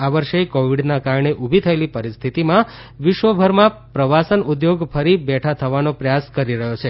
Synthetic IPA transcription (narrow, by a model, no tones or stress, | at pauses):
aʋəɾʃekoʋiɖnakaɾɳeʔubʱit̪ʰəelipəɾist̪ʰit̪imã | ʋɪʃʋəbʱəɾmãpɾəʋasənud̪joɡfʰəɾibɛʈʰat̪ʰəʋanopɾəjaskəɾiɾəɦjot͡ʃʰe